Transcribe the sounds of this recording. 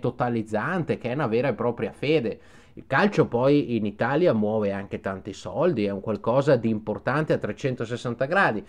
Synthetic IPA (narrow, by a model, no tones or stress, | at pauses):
t̪ot̪alid̪zːant̪ek̟eɛunaveːɾaepːɾɔːpɾjafeːd̪e | ḭlkalt͡ʃopɔjinit̪aːljamwɔːveaŋk̟et̪ant̪isɔld̪iɛuŋkwalkɔːzad̪iːmport̪ant̪eat̪ːɾet͡ʃɛnt̪osesːant̪aɡɾaːd̪i